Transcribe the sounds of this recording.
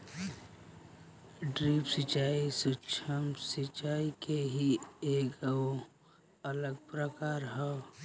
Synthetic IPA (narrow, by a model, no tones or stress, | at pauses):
ɖɾiːpsət͡ʃaːisʊt͡ʃʰəmsɪt͡ʃaːikeɦieːko | ələɡ̚pɾəkaːɾɦɛ